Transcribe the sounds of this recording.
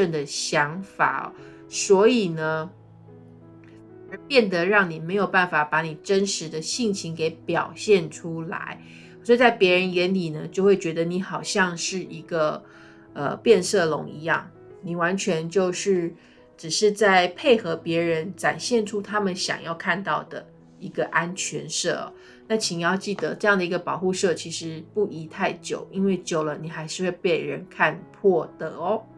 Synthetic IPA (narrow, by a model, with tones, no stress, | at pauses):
ə˥˩ŋd̪ə˩ɕjɑ˧˥ŋfa̰˨˩˨ | swɔ˧˥i˨˩nə˦ | ə˧˥pjɛ˥˩nd̪ə˨ɻɑ˥˩ŋni˨˩me˧˥ɪjo˨˩ʊpa˥˩nfa˨˩pa˧˥ni˨˩ʈ͡ʂə˦˥nʂɻ̩˧˦d̪ə˧ɕi˥˩ŋt͡ɕʰi˧˥ŋke˧˥ɪpjɑ̰˨˩ʊɕjɛ˥˩nʈ͡ʂʰu˥la̰˧˥˦ɪ | sɔ˧˥i˧t͡sa˥˩ɪpjɛ˧˥ɻə˧˦˥njɛ˧˥nli˨˩nə˦t͡ɕjo˥˧ʊxwe˥˩ɪt͡ɕɥɛ˧˥d̪ə˧ni˧˥xɑ˨˩ʊɕjɑ˥˧ŋʂɻ̩˥˩ʔi˧˥ɡə˧ | ə̰˨˩pjɛ˥˧nsɤ˥˩lʊ̰˧˥ŋḭ˧˥jɑ̰˥˩ŋ | ni˨˩wa˧˥nt͡ɕʰɥɛ˧˥nt͡ɕjo˥˧ʊʂɻ̩˥˩ | ʈ͡ʂɻ̩˨˩ʂɻ̩˥˧t͡sa˥˩ɪpʰe˥˩ɪxɤ˧˥pjɛ˧˥ɻə˧˥nʈ͡ʂa˨˩nɕjɛ˥˩nʈ͡ʂʰu˥t̪ʰa˥mə˨nɕjɑ̰˨˩ŋjɑ˥˧ʊkʰa˥˧nt̪ɑ˥˩ʊd̪ə̰˩ | i˧˥ɡə˧ʔa˥nt͡ɕʰɥɛ˧˥nʂɤ˥˩ɐ̰˨˩ | na˥˩t͡ɕʰi˨˩ni˨˩jɑ˥˧ʊt͡ɕi˥˩d̪ə˩ʈ͡ʂɤ˥˧jɑ˥˩ŋd̪ə˩i˧˥ɡə˧pɑ˨˩ʊxu˥˧ʂɤ˥˩t͡ɕʰi˧˥ʂɻ̩˧˥˦pu˥˩ʔi˧˥t̪ʰa˥˩ɪt͡ɕjo˨˩˦ʊi˥nwe˥˩ɪt͡ɕjo˨˩ʊlə˦ni˨˩xa˧˥ɪʂɻ̩˥˧we˥˧ɪpɛ˥˩ɪɻə˧˦nkʰa˥˧npʰwɔ˥˩d̪̥ə˩˦